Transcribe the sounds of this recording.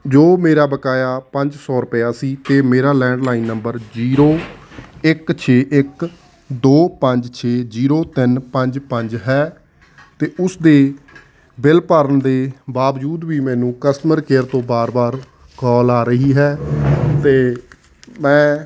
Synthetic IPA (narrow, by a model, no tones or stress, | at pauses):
d͡ʒoːmeːɾaːbəkaːjaːpəɲd͡ʒsɔːɾʊpjaːsiːt̪eːmeːɾaːlɛ̃ːɳɖlaːinːəmbəɾd͡ʒiːɾoːɪkt͡ʃʰeːʔɪk | d̪oːpəɲd͡ʒt͡ʃʰeːd͡ʒiːɾoːt̪ɪnpəɲd͡ʒpəɲd͡ʒɦɛː | t̪eːʊsd̪eː | bɪlpəɾənd̪eːbaːʋd͡ʒuːd̪ʋiːmɛ̃ːnũːkəst̪əməɾkeːɾt̪õːbaːɾbaːɾ | kɔːlaːɾəɦiːɦɛːt̪eː | mɛ̃ː